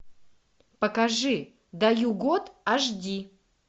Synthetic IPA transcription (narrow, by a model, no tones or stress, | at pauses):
pɐkɐʐɨ | d̪ɐjuɡot̪ɐʐdʲi